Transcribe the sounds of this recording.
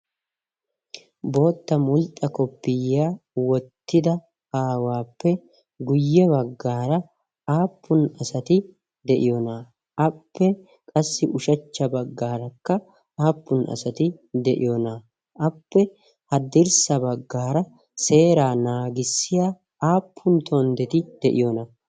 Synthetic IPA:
bo̞ːt̪ːɐmʊlt̪ʼːɐkɔpːɪjːaːwɔt̪ʰːɪd̪ɐ | aːwaːpːɛ | ɡʊjːɛbɐɡːaːɾɐ | aːpːʊnɐsɐt̪ɪ | d̪ɛʔɪjɔnaː | ʔɐpːɛ | kʼɐsːɪʔʊʃɐt͡ʃːɐbɐɡːaːɾɐkːɐ | aːpːʊnʔɐ̰sɐt̪ɪd̪ɛʔɪ̰jɔna | ʔɐpːɛ | hɐd̪ɪɾsɐbɐɡːaːɾɐ | se̞ːɾaːnaːɡɪsːɪja | aːpʰːʊnt̪ʰond̪ɛt̪ɪd̪̥ɛʔɪjɔnɐ

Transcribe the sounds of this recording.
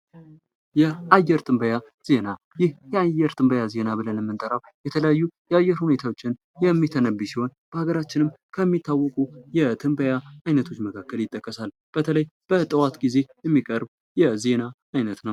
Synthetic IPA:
jɛʔajːɛɾt̪ʰʼɨmbəja | z̥e̞na | jɪhjɛajːɛɾt̪ʰʼɨmbəjaze̞naβɨlənmːɨnt̪ʼəɾaw | jɛt̪ʰələjajːujɛajːɛɾhune̞t̪ʰawot͡ʃːɪn | jɛmːit̪ʰənəbisiho̞nb̥əhaɡəɾat͡ʃːɪnɨm | kʰəmːit̪ʰːawːɔkʼujɛt̪ʰɨmbəjaajnət̪ʰo̞t͡ʃːməkʰakːəljɪt̪ʼːəkʼːəsal | b̥ət̪ʰələjb̥ət̪ʼəwat̪ɡize̞jɛmːikʼəɾb | jɛze̞na | ajnət̪nəww

